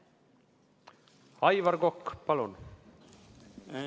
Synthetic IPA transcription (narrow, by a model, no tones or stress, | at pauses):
ɑjvɑɾɡokːpɑlun